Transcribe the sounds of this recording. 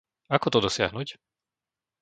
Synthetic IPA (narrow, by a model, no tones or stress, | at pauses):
akɔt̪ɔd̪ɔsɪaɦnuc